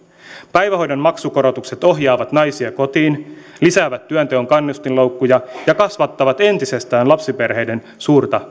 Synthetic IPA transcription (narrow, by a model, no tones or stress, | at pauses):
pæjʋæɦo̞jdonmɑksuko̞ɾo̞t̪ukse̞t̪o̞ɦjɑːʋɑt̪nɑjsieko̞t̪iːn | lisæːʋæt̪ːyœnt̪eoŋkɑnːust̪inlo̞wkːujɑjɑkɑsʋɑt̪ːɑʋɑt̪e̞nt̪ise̞st̪æːnlɑpsipe̞rɦe̞jde̞n | suːrt̪ɑ